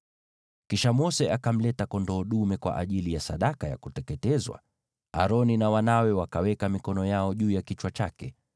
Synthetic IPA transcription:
kiʃamɔsɛʔakam̩lɛtakɔndɔːɗumɛkwa̰ʔaʄilijasa̰ɗakaja̰kutɛkɛtɛzwa̰ | a̰ɾɔninawanawɛwakawɛkamikɔnɔjaɔʄuːjakit͡ʃwat͡ʃakɛ

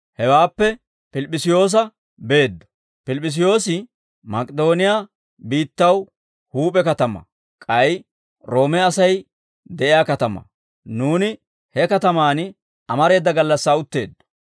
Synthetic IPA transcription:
hɛwaːpːɛ | pɪlpʼːɪsɪjo̞ːs̬ɐ | be̞ːd̪ːɔ̥ | pɪlpʼːɪs̬ɪjo̞ːsɪ | mɐkʼɛd̪o̞ːnɪjaː | biːt̪ːɐw | huːpʼɛkɐt̪ɐmɐ̰ | kʼɐj | ɾo̞ːmɛɐsɐj | d̪ɛʔɪjaːkɐt̪ɐmɐ̰ | nuːnɪ | hɛkɐt̪ɐmaːn | ɐmɐɾe̞ːd̪ːɐɡɐlːɐsːaːʊt̪ːe̞̰ːd̪ːɔ̥

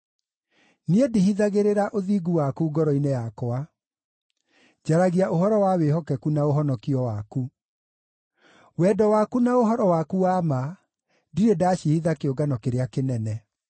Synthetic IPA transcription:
niedihiðaɣeɾeɾaʔoðiɡuwakuɡɔɾɔinejakɔa | d͡ʑaɾaɣiaʔoɦɔɾɔwaweɦɔkɛkunaoɦɔnɔkiɔwaku | wɛːdɔwaːkunaoɦɔɾɔwakuwama | diɾedaɕihiðakeoɡanɔkeɾeakenɛnɛ

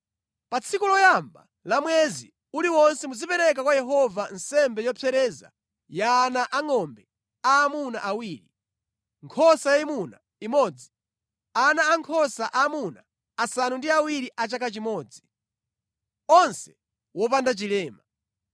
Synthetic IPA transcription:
pat͡sʰikulɔjamba̰ | lamwɛzḭ | uliwɔnsɛmuzipɛɾɛk̬akwajɛɦɔvansɛmbɛjɔpʰɛɾɛːza̰ | jaːnaʔaŋɔmbɛ | aːmuna̰ʔawiːɾi | ŋkʰɔsajaimuna̰ | imɔd͡zi̥ | anaːŋkʰɔsaʔamunaː | sanundiawiɾiʔat͡ʃakat͡ʃimɔːd͡zi | ɔnsɛ̥ | wɔp̬andat͡ʃilɛːma

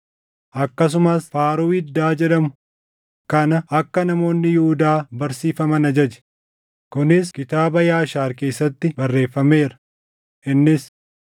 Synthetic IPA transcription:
ʔɐkːɐs̬ʊmɐsfaːɾuɪd̪ːaːd͡ʒɛᶑɐmʊ̥ | kɐnɐɐkːɐnɐmo̞ːnːɪjʊhʊd̪aːbɐɾsiːfɐmɐnɐd͡ʒɐd͡ʒɛ̥ | kʊnɪskɪt̪aːbɐjaːʃaːɾke̞ːsːɐt̪ːɪbɐrːe̞ːfːɐme̞ːɾɐ̥ | ʔɪnːɪs

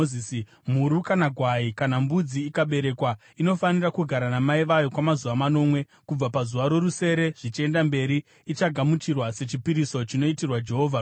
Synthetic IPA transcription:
isi | m̤uɾukanaɡʱwaikanambud͡ziːkaɓe̞ɾe̞kwa | ino̞fanirakuɡʱaɾanamaiʋajo̞kwamazuʋamano̞mwe̞ | kub͡vapazuʋaɾo̞ɾuse̞ɾe̞ʐ̥it͡ʃie̞ndambe̞ɾiː | t͡ʃaɡʱamut͡ʃirwase̞t͡ʃipiɾiso̞t͡ʃino̞itirwad͡ʒe̞ɦo̞ːvʱa

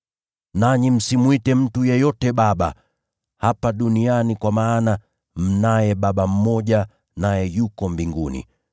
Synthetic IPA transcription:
naɲim̩simwitɛm̩tujɛjɔtɛɓaɓa̰ | hapaɗunianikwamaːna | m̩najɛɓaɓam̩mɔʄa | najɛjukɔmbiŋɡunḭ

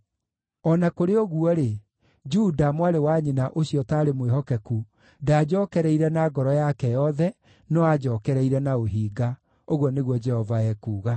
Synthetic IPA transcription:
ɔnakoɾeoɣuɔɾe | d͡ʒudamwaɾewaɲinaʔoɕjɔtaːɾemweɦɔkɛku | daːd͡ʑɔːkɛɾɛiɾɛnaɡɔɾɔjakɛjɔðɛ | nɔad͡ʒɔːkɛɾɛiɾɛnaoɦiːɡa | oɣɔneɣwɔd͡ʒɛhɔvaɛkuːɣa

